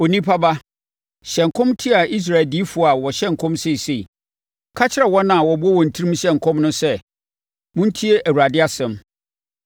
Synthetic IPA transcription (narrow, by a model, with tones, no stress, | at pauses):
o˨nĩ˦pʰa˦ba˦ | ɕɛ̃˨ŋ˨kʰɔ̃˦mtʰi˦a˨i˦s̬ɾa˨ɪ˨ldi˦fʊ˨a˨wɔ˨ɕɛ˦ŋ̩˨kʰɔ̃˦msɪ˦˨se˨ | kʰa˦t͡ɕʰɪ˦ɛ˨wɔ˦nã˨wɔ˨bʊ˦ɔ˦wɔ̃˨n̩˨tʰi˦ɾĩ˦mɕɛ̃˦ŋ̩˨kʰɔ̃˦mnʊ̃˦sɛ˦ | mʊ̃˦n̩˦tʰi˦e˦ʔæ˨wu˨ɾa˨dɪ˦a˦sɛ̃˨m